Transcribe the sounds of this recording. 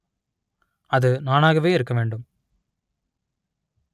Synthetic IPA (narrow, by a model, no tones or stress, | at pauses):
ɐðɯnaːnaːɣɐʋeːɪɾɯkːɐʋeːɳɖɯm